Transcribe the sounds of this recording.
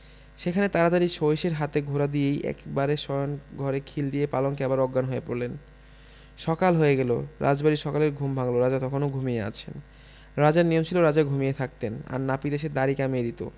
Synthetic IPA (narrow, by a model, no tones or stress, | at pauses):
ʃekʰanet̪aɾad̪aɾiʃojʃeɾɦat̪eɡʱoɾad̪iejɛ̰kbaɾeʃɔjonɡʱɔɾekʰild̪ijepalonkɛbaɾɔɡːanɦoepoɾlen | ʃɔkalɦoeɡɛlo̰ɾa̰d͡ʑbaɾiʃɔkaleɾɡʱumbʱaŋloɾad͡ʑat̪ɔkʰonoɡʱumiea̰t͡ɕʰḛn | ɾad͡ʑaɾnijomt͡ɕʰiloɾad͡ʑaɡʱumijet̪ʰak̚t̪ena̰ɾnapid̪eʃ̬ed̪aɾikamied̪it̪o̰